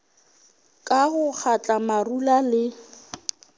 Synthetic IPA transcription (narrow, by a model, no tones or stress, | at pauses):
kʼaɣʊk͡xʰat͡ɬʼamarulalɪ